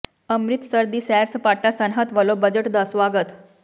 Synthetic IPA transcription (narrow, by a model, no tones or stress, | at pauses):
əmɾit̪səɾd̪iːsɛɾsəpaʈːasənɦət̪ʋəlobəd͡ʑəʈd̪əsʋaɡət̪